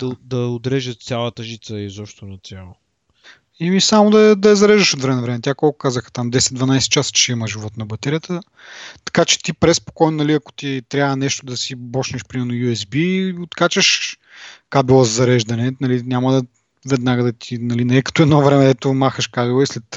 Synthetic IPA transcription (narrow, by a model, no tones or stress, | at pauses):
d̪̥ɐd̪ɐod̪ɾɛʒət̪t̪sʲjalˠət̪ɐʒit̪səizɔpʃt̪onɐt̪sʲjalˠo | imisamod̪ɐɛd̪ɐɛzɐɾɛʒd̪əʃot̪vɾɛmɛnɐvɾɛmɛt̪ʲakolˠkʊ̥kazəxə̥t̪amd̪ɛsɛt̪d̪vɐnajsɛ̥t͡ʃasə̥t͡ʃɛiməʒivɔt̪nɐbɐt̪ɛɾijət̪ə | t̪ɐ̥kat͡ʃɛ̥t̪ipɾɛspo̥kɔjnonɐliɐko̥t̪it̪ɾʲavənɛʃt̪od̪ɐsibɔʃnɛʃpɾimɛɾnojuɛzbiot̪kat͡ʃəʃ | kabilˠəzzɐɾɛʒd̪ɐnɛnɐlinʲamɐd̪ | vɛd̪naɡəd̪ɐt̪ʰinɐlinɛɛkɐ̥t̪ɔɛd̪novɾɛmɛd̪ɛt̪omaxəʃkabilˠəislɛt̪